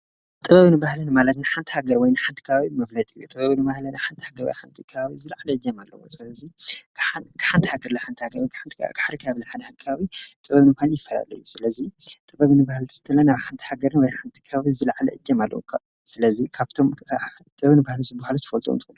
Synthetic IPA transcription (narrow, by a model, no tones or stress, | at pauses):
t̪ʼɨβɐβnɨbahlɐnmalɐt̪nɨħant̪ʰihaɡɐɾwɔjnɨħant̪ʰi̥kʰɐβaβimɐflɐt̪ʼijut̪ʼɨβɐβnɨβahlɐnɨħant̪ʰihaɡɐɾwo̰jħant̪ʰikʰɐβaβizɨlaʕalɐɨd͡ʒːɛmalːɐ̰wusɨlɐzikʰakʰɨ̥ħant̪ʰi̥haɡɐɾlaħant̪ʰihaɡɐɾʰħant̪ʰiɡaħd̪ikʰaβzɨħad̪ɐakʰβaβit̪ʼɨβɐβnɨbaljɪfːɐla̰lɐ̰jːusɨlɐzit̪ʼɨβɐβnɨbahalsɨ̥t̪ʰːɐlɐnaβħant̪ʰi̥haɡɐɾɨnwɔjħant̪ʰi̥kʰɐβaβizɨlaʕlɐ̰ʔɨd͡ʒːɐmalːɐ̰wṵkʰ | sɨlɐzikʰaβt̪ʰo̞mʰt̪ʼɨβɐβnɨbahlnzɨbahalut̪fɐlt̪ʼo̰mt̪ʰɨxunːu